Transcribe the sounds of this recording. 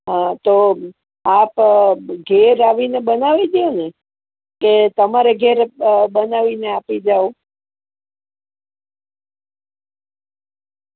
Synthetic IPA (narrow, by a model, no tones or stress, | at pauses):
ɦãt̪o | apɡʱeɾaʋinebənaʋid̪jone | ket̪əmaɾeɡʱeɾbənaʋineapid͡ʒao